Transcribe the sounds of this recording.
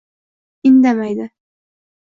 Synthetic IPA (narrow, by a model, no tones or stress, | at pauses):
ɪnd̪amajd̪ɪ